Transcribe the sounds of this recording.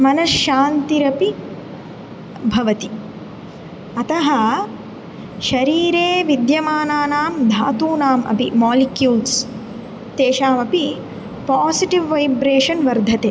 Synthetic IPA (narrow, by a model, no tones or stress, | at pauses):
mɐnɐʃːaːnt̪iɾɐpi | bʱɐʋɐt̪i | ɐt̪ɐɦɐ | ʃɐɾiːɾeːʋid̪jɐmaːnaːnaːmd̪ʱaːt̪uːnaːmʔɐ̰pimaːlikjuːls | t̪eːʃaːmɐpi | paːsiʈiʋːɐjbɾeːʃɐnʋɐɾd̪ʱɐt̪eː